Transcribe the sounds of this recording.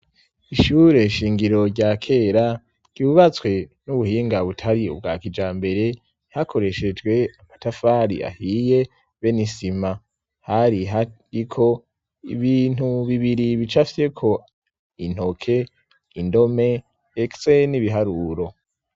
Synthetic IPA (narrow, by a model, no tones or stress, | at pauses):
iʃuːɾe̞ʃiːŋɡiɾo̞ɾɟaːkʰe̞ːɾa | ɟ̥uβat͡swe̞nuβuhiːŋɡaβutʰaɾiṵbɡa̰ːkid͡ʒaːmbe̞ɾe̞ | hakʰo̞ɾe̞ʃe̞d͡ʒɡwe̞amatafaɾḭa̰hije̞ | βe̞nisima | haɾia | ikʰo̞ | ḭβiːn̥huβiβiɾiβit͡ʃafi̥se̞kʰo̞ | in̥ho̞kʰe̞ | indo̞me̞ | ekseniβiɦaɾuːɾo̞